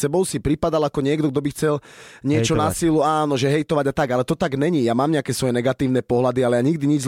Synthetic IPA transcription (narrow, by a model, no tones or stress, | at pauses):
sɛbɔʊsipɾipad̪alakɔɲɪɛɡd̪ɔɡ̚d̪ɔbixt͡sɛlɲɪɛt͡ʃɔnasiluaːnɔʒɛɦɛjt̪ɔʋaɟat̪aɡalɛt̪ɔt̪aɡmɛɲijamaːmɲɪakɛːsʋɔjɛnɛɡat̪iːʊnɛpɔɦlad̪ialɛjaɲiɡd̪iɲid͡ʒz